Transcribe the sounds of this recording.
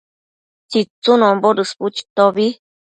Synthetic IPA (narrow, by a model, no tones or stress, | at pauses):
t͡ʃit͡sunõmboɾɨsput͡ʃi̥t̪oβi